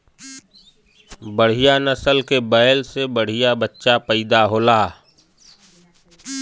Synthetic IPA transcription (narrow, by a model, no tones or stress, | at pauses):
bəɽ̤ijanəsəlkebəjlsebəɽ̤ijabətːʃapəɪd̪aɦoːlaː